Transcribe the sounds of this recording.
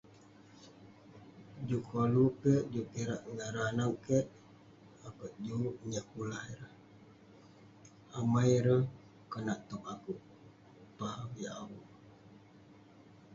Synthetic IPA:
d͡ʒukʰolukəʔd͡ʒupiɾaʔŋəɾanawkəʔ | akəʔd͡ʒuɲəʔpulahiɾəh | amajɾə | kənaʔt̪ɔmakuʔ | pahawiawu

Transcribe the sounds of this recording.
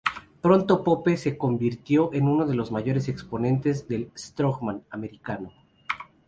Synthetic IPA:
pɾo̞nt̪o̞po̞pe̞se̞ko̞mbiɾt̪jo̞ʔe̞nũno̞ðe̞lo̞zmaʝo̞ɾe̞se̞kspo̞nẽ̞nt̪e̞zðe̞lst̪ɾoɣmãname̞ɾikano̞

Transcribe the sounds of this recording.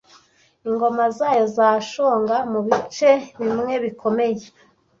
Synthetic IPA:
iŋɡo̞mazaːjo̞zaːʃoːŋɡamuβit͡ʃe̞βimŋe̞βikʰo̞me̞je

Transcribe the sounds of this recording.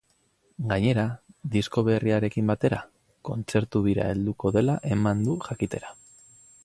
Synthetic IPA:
ɡaɲe̞ɾaðisko̞β̞e̞riaɾe̞kimbat̪e̞ɾa | ko̞nt͡se̞ɾt̪uβiɾa̰e̞ld̪uko̞ðe̞laʔe̞mand̪uʝakit̪e̞ɾa

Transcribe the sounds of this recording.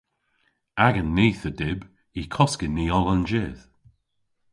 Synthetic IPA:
aɡənːiːθədɪb | ikʰɔskɪniɔlənd͡ʒɪð̥

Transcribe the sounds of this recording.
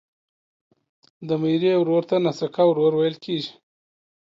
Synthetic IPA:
d̪əmajɾiawɾoɾt̪anasakawɾoɾwajəlkʰeʒi̥

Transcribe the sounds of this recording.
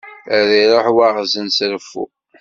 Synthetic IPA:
æɾiɾˤoħwaʁzənsɾfːṵ

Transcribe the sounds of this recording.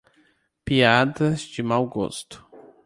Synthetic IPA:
piad̪ɐzd͡ʒɪmawɡo̰st̪ʊ̥

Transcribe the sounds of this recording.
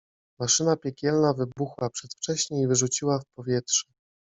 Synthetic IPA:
maʂɘnapʲjɛkʲɛlnavɘbuxwapʂɛt̪ft͡ʂɛɕɲejvɘʐut͡ɕiwafpɔvʲjɛtʂɛ̥

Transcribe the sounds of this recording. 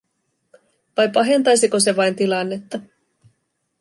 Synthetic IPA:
ʋɑjpɑɦe̞nt̪ɑjsiko̞se̞ʋɑjnt̪ilɑnːe̞t̪ːɑ

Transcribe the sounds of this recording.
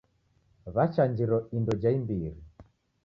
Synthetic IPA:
βat͡ʃaɲd͡ʒiɾɔindɔd͡ʒaimbiɾi

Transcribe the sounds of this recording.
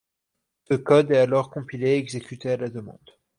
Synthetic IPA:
səkɔd̪ɛalɔʁkɔ̃pileɛɡzekʲyt̪ealad̪əmɑ̰̃d̪

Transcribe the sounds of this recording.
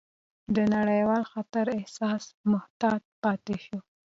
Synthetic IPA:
d̪ənaɽəjwɑlxat̪aɾɪhsɑsmʊht̪ɑd̪̚pɑt̪eʃu

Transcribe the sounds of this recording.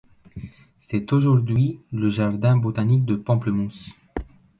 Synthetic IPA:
sɛt̪oʒuʁd̪ɥiləʒaʁd̪ɛ̃bot̪anik̚d̪əpɑ̃pləmus

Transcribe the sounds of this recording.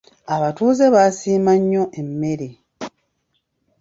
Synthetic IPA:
aβatuːze̞βaːsiːmaɲːo̞ʔemːe̞ɾe

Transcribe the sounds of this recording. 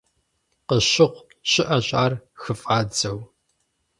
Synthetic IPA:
qəɕɪʁʷ | ɕʼɪʔɐɕʼaːrxɨfʼaːd͡zɐw

